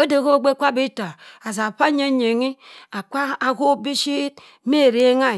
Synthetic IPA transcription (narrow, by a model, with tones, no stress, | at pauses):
o˦de˨ko˦ɡ͡be˦kʷa˦bi˦ta˨a˨s̬a˨ɸa˦ɲe˦ɲe˨ŋi˦a˨kʷa˦a˨ko˦bi˦ʃi˦t̚ | me˦˨ɾe˨˦ŋa˦˨